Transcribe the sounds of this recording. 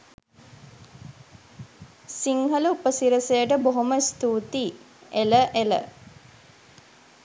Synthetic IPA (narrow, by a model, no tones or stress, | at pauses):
siŋɦələupəsiɾəsejəʈəboɦoməst̪uːt̪i | eləʔelə̰